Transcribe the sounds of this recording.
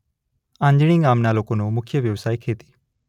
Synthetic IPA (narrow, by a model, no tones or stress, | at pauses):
ãːɲd͡ʒɽ̃iːɡaːmnaːloːkõnũmʊkʰjəʋjəʋsaːikʰeːt̪i̥ː